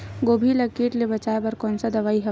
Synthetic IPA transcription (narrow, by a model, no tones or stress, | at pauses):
ɡoːbʱilɐkiːʈlebɐt͡ʃaːebɐɾkɔːnsad̪ɐʋaːiɦɛ